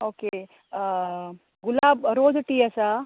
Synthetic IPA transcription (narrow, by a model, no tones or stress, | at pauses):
oːke | ɡʊlaːbɾoːd͡ʒʈiɐsa